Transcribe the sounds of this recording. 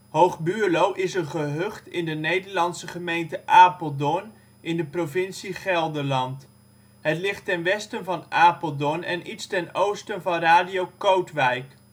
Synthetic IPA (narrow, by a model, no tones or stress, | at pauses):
ɦowχbyːlowʔɪsənχəɦøχtɪndənejdəɹlɑnsəχəmejntəʔaːpəlˠdɔn | ɪndəprovɪnsiχɛlˠdəɹlɑnt | ɦətlɪχtɛnʋɛstənvɑnaːpəlˠdɔnɛnitstɛnowstənvɑnraːdijowkowtʋɛjk